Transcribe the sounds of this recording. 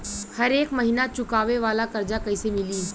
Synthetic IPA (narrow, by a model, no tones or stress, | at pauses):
hɐɾeːkmɐɦɪnat͡ʃʊkaːʋeʋaːlakɐɾd͡ʒakɐisemɪliː